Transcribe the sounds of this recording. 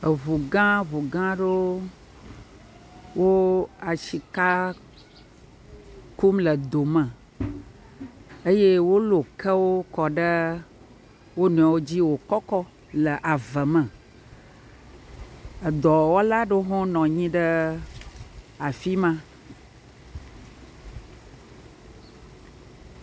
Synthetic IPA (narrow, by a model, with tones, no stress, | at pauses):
ə˨βu˨ɡã˦βu˨ɡã˦ɖo˦ | wo˦a˨ʃi˨ka˦ | ku˦mlə˨d̪o˨mə̃˨ | ə˦je˦wo˦lo˨kə˦wo˦kɔ˨ɖə˦ | wo˦nũ˨a˨wo˦d͡ʑi˦wo˨kɔ˦kɔ˦ | lə˨ʔa˨və˨mə̃˨ | ə˨d̪ɔ˨wo˦la˦ɖə˦ɦɔ̃˦nɔ̃˨ɲĩ˦ɖə˦ | a˨fi˦mã˦